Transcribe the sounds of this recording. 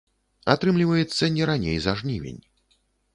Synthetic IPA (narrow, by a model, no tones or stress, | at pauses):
at̪ɾɨmlʲivɐjɛt̪sːɐnʲɛɾanʲḛjzaʐnʲivʲḛnʲ